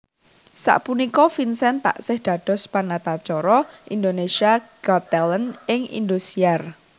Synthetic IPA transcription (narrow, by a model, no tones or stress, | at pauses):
sa̰ʔpunikɔfinsɛnt̪a̰ʔsɪhd̪̥ä̤d̪̥ɔ̤spanat̪at͡ʃɔɾɔʔind̪onesiaɡ̥ɔt̪ɛlənɪŋḭnd̪usiar